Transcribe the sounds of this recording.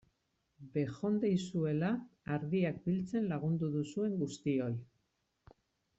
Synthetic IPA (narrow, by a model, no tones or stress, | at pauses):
be̞xo̞nd̪e̞jsue̞laːɾðiak̚bilt͡se̞nlaɣ̞und̪uðusue̞ŋɡust̪io̞j